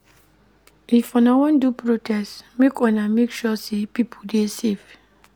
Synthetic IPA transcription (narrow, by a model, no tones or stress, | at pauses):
ifɔ̃nawɔ̃ndupɹotʰɛstmekɔ̃namekʃɔsepipʰudesef